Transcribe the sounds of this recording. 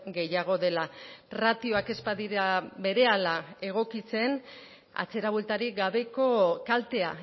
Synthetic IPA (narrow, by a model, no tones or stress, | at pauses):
ɡe̞jaɣ̞o̞ðe̞larat̪io̞ake̞spaðiabe̞ɾe̞alae̞ɣ̞o̞kit͡se̞n | a̰t͡se̞ɾaβwelt̪aɾiɡaβe̞ko̞kalt̪e̞a